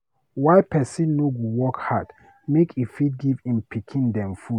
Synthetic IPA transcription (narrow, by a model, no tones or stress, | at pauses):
waɪpɛsĩnːoɡuwɔkhad̥ | mekifiɡivĩmpikʰĩndɛ̃mfu